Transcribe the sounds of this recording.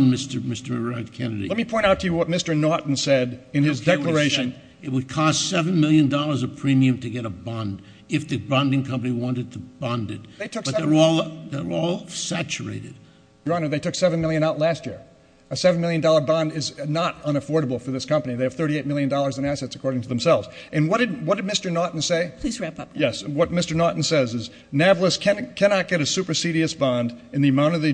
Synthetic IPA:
nmɪstə˞mɪstə˞ɹɛdkʰɛnɨɾḭlɛt̚mipʰɔ̃ɪ̃ɾ̃taʊtʰɨjɨwʌt̚mɪstə˞nɔʔn̩sɛɾɨ̃nɪzdɛlə˞eɪʃɨ̃n | ɨt̚wəd̚kʰɔstsɛṽnmɪlˠjɨ̃ndɔlˠə˞zəpʰɹ̥ĩmiɨ̃mtʰɨɡɛɾəbɑ̃nd | ɨfðɨbɑ̃ndɪ̃ŋkʰʌ̃mpɨniwɑ̃ntɨd̚tʰɨb̥ɑ̃ndɨ̰t̚ðeɪtʰʊkʌəɔlˠðeə˞ɔlˠsæt͡ʃə̰˞ḛɪɾɨd̥ | jə˞ɑ̃nə˞ðeɪtʰʊksɛvɨ̃nmɪlˠjɨ̃ñaʊtˡlæst̚jɪɹ | ɨsɛṽn̩mɪlˠjɨ̃ndɔlˠə˞bɑ̃ndɪznəɾʌ̃ñəfɔɹɾəbl̩ˠfə˞ðɪskʰʌ̃mpɨniðeɪɨv̥θɜ˞ɾieɪt̚mɪlˠjɨ̃ndɔlˠə˞zɨ̃næsɛtsəkʰɔɹɾɪ̃ŋtʰəðə̃m̩sɛlˠvz̥ʔɨ̃nwʌt̚d̥ɨdwʌt̚d̥ɨd̚mɪstə˞nɔɹʔn̩seɪpʰl̥izɹæpʌjɛswʌt̚mɪstə˞nɔɹʔn̩sɛzɨz | nævl̩ˠəskʰæ̃kʰænɑt̚ɡ̥ɛɾɨsʉpə˞siɾiɨsb̥ɑ̃ndɨ̃nðiɨmãʊ̃ɾ̃ʌvðɨ

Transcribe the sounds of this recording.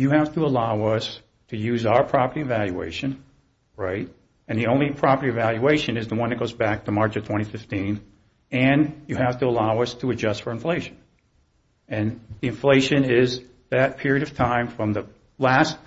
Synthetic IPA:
jɨhæftəəlaʊʌs | tʰɨjʉzaʊə˞pʰɹ̥ɑpə˞ɾiɨvælˠjʉḛɪʃɨ̃n | ɹa̰ɪt̚ | ɨ̃nðiõʊ̃nlipʰɹ̥ɑpə˞ɾiɨvælˠjueɪʃɨ̃nɨzðəwʌ̃nðɨt̚ɡ̥oʊzbæk̚tʰəmɑɹt͡ʃʌv̥tʰw̥ɛ̃ɾ̃ifɪftĩn | ɨ̃njɨhæftəəlaʊʌstʰəɨd͡ʒʌstfə˞ɨ̃ɱfleɪʃɨ̃n̩ | ɨ̃nðiɨ̃ɱfleɪʃɨ̃nɪz | ðɨt̚pʰɪɹiɨɾʌv̥tʰãɪ̃ɱfɹʌ̃mðɨ | læst̚

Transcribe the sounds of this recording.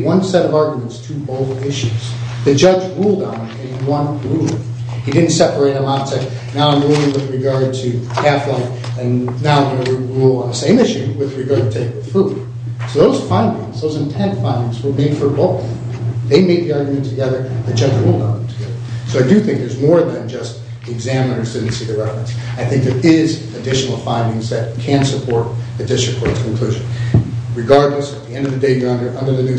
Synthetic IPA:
wʌ̃nsɛɾʌvɑɹɡjmɨ̃ntstʰɨboʊθɪʃʉz̥ðɨd͡ʒʌd͡ʒɹulˠdə̃n | ɨ̃nwʌ̃nɹulˠ | hidɪdⁿn̩tsɛpə˞eɪɾɨmãʊ̃ntslaɪk̚ | naʊãɪ̃moɨ̃wɨðɹɨɡɑɹd̚tʰɨkʰæflaɪk | ɨ̃nnaʊ̃moʊwəɹulˠəsẽɪ̃mʃɨ̃ŋwɨðɹɨɡɑɹd̚tʰɨtʰeɪk̚ɨ̥fud̥ | soʊðoʊz̥fãɪ̃ndɪ̃ŋzðoʊzɨ̃ntʰɛ̃ntfãɪ̃ndɪ̃ŋzwə˞mẽɪd̥fə˞boʊ | ðeɪmeɪd̪̚ðiɑɹɡjɨmɨ̃ntʰɨɡɛðə˞ðɨ̥d͡ʒ̥ʌ̃dəwəlˠnʌ̃ʊ̃nðə̃m̩tʰɨɡɛðə˞soʊaɪdɨθɪ̃ŋk̚ðə˞zmɔɹðɨ̃nd͡ʒʌst̚ | ɨɡzæmɨnə˞zdɪdⁿn̩tsiðəɹɛfɹɨ̃nsaɪθɪ̃ŋk̚ðɨ˞ɪz | ɨdɪʃn̩l̩ˠfãɪ̃ndɪ̃ŋzðɨt̚kʰɨ̃nsɨpʰɔɹɾɨdɪʃɨkʰɔɹskʰn̩kʰl̥ʉʒɨ̃nɹɨɡɑɹdˡləsət̪̚ðiɛ̃ndʌvðɨdeɪjəʌ̃ndə˞ʔʌ̃ndə˞ðɨnʉ

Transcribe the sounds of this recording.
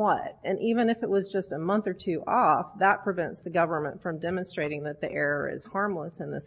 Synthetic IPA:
wʌtɨ̃nʔivɨ̃nɨfɨʔ̚wʌzd͡ʒʌstəmʌ̃nθə˞tʰʉʔɔfðət̚pʰɹ̥ɨvɛ̃ntsðɨɡʌvə˞mə̰̃ntfɹʌ̃mdɛmɨ̃nstɹ̥eɪɾɪ̃ŋðɨt̪̚ðiʔɛɹə̰˞ɪ̰z̥hɑɹmləsɨ̃nðɪs

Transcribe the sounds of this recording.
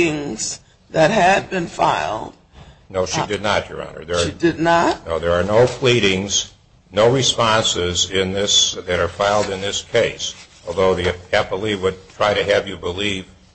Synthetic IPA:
ɪ̃ŋz̥ | ðɨt̚ɦɨd̚bɨ̃nfaɪlˠd̥̚ | noʊʃidɨdⁿnət͡ʃə̰˞ɑ̰̃nə̰˞ðə˞dɨdⁿnətnoʊðə˞ːnoʊpʰl̥iɾɪ̃ŋz̥ | noʊɹispɑ̃nsɪzɪ̃nðɪsðɨɾə˞faɪlˠdɨ̃nðɪskʰeɪs | ɔlˠðoʊðiɨæpəlˠiwəd̚tʰɹ̥aɪɾɨɨvjɨbəliv̥

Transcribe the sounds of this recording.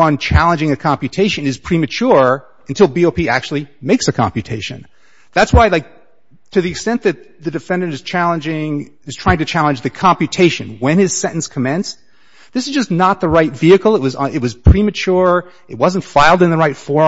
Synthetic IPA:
ʌ̃nt͡ʃʰælˠə̃nd͡ʒɪ̃ŋɨkʰɑ̃mpjɨtʰeɪʃɨ̃nɨz̥pʰɹ̥imɨt͡ʃʰʊɹ | ɨ̃ntʰɪlˠbioʊpiæk̚t͡ʃʉl̩ˠimeɪksɨkʰɑ̰̃mpjɨtʰeɪʃɨ̰̃n | ðætswaɪlaɪk̚ | tʰɨðiɨkstɛ̃nðɨt̪̚ðɨdɨfɛ̃ndɨ̃nɨz̥t͡ʃʰælˠə̃nd͡ʒɪ̃ŋ | ɨz̥tʰɹ̥aɪɪ̃ŋtʰɨt͡ʃʰælˠə̃nd͡ʒðɨkʰɑ̃mpjɨtʰeɪʃɨ̰̃nwɨ̃nɨz̥sɛ̃ɾʔn̩skʰəmɛ̃ns | ðɪsɨzd͡ʒʌsnət̪̚ðəɹaɪtv̥iɨkl̩ˠət̚wʌzɪt̚wʌz̥pʰɹ̥imɨt͡ʃʰʊɹ | ɨt̚wʌz̃n̩tfaɪlˠdɨ̃nðəɹaɪtfɔ

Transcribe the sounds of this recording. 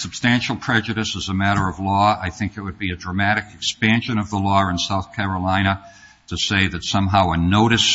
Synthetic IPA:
sɨb̥stæ̃nʃl̩ˠpʰɹ̥ɛd͡ʒɨɾɨsɨzəmæɾə˞ʌvlɔaɪθɪ̃ŋkɨt̚wɨd̚biɨdɹɨmæɾɨkɨkspæ̃nʃɨ̃nʌvðəlɔɨ̃nsaʊθkʰæɹəlãɪ̃ñə | ɾɨseɪðɨtsʌ̃mɦaʊənoʊɾɨs

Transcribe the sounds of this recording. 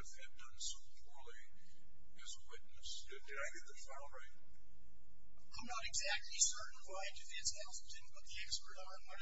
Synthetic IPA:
ɨfɛ̃n̚dʌ̃nsoʊpʰɔɹlˠi | ɨzəwɪtⁿnɨsdɨd̥ɨɾaɪɡɨd̪̚ðɨtfãʊ̃ndɹaɪt̚ | ãɪ̃mnəɾɨɡzæk̚tʰˡlisɜ˞ʔn̩waɪdɨfɛ̃nsɛlˠsd̥ɪdⁿn̩pʰʊt̪̚ðiækspə˞ɾ̃ | nwʌɾ

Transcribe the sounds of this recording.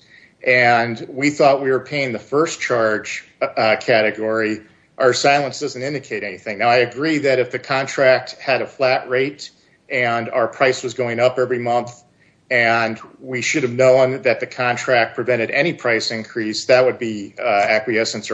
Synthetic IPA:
ʔɨ̃nwiθɔt̚wiwə˞pʰeɪɪ̃ŋðɨfɜ˞st͡ʃʰɑɹd̥ʒ̥kʰæɾɨɡɔɹi | ʔə˞saɪlˠə̃nsd̥ʌzn̩tɪ̃ndɨkʰeɪɾɛniθɪ̃ŋnaʊaɪɨɡɹiðɨɾɨfðɨkʰɑ̃ntʰɹ̥æk̚t̚hɨɾɨflæʔ̚ɹeɪɾ | ʔɨ̃na̰ʊə˞pʰɹ̥aɪswʌzɡoʊɪ̃ŋʌpɛvɹimʌ̃nθ | ɨ̃nwiʃʊɾɨvnõʊ̃nðɨt̪̚ðɨkʰɑ̃ntʰɹ̥æk̚pʰɹ̥ɨvɛ̃ɾ̃ɨɾɛɾ̃ipʰɹ̥aɪsɨ̃nkʰɹ̥isðɨt̚wɨd̚biækwiɛsɨ̃ns

